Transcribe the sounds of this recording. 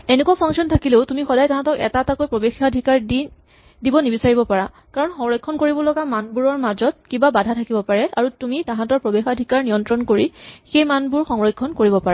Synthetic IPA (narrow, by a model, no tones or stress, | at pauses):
enekuwapʰaŋksiɔntʰakileʊtumixɔdajtãɦãtɔkɛ̰tatakojpɹɔbexadʱikaɹdi | dibɔnibisaɹibɔpaɹa | kaɹɔnxɔŋɹɔjkʰːɔnkoɹibɔlɔɡamanbuɹɔɹmazɔt̚kibabadʱatʰakibɔpaɹɛʔaɹutumitãɦãtɔɹpɹɔbexadʱikaɹnijɔntɹɔnkoɹixejmanbuɹxɔŋɹɔjkʰːɔnkoɹibɔpaɹa